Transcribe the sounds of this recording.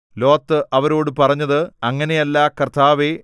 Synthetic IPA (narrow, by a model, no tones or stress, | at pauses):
lo̞ːt̪ːɨʔɐʋɐɾoːɽɨpɐrɐɲːɐðɨɐŋːɐne̞jɐlːakɐrt̪ʰːaːʋe